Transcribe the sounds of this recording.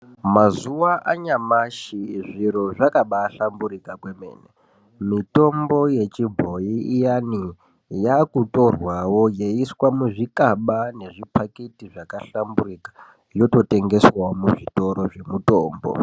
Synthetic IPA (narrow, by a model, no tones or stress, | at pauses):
mazuwaʔaɲamaʃiʐiɾo̞ʐakaɓaːɬambuɾikakwe̞me̞̰ːne | mito̞mbo̞je̞t͡ʃibʱo̞iːjani | jakuto̞rwawo̞jeiswamuʐikaɓane̞ʐipaketiʐakaɬambuɾikḁ | jo̞to̞te̞ŋɡe̞swamuʐito̞ɾo̞ʐe̞mutoːmbo̰